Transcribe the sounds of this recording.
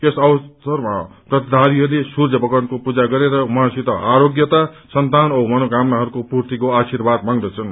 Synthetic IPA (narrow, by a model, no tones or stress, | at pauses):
esʌwsʌrma̰ | rʌt̪ʰd̪ʱaɾiɦʌulesurd͡zʱʌbʌkʌnkopud͡zaɡʌɾeɾʌwʌɦãsit̪ʌaɾoɡjʌt̪a | sʌnt̪anʌmʌnoɡamnaɦʌɾukopurt̪ikoasirbʱad̪maŋd̪ʌt͡sʰʌn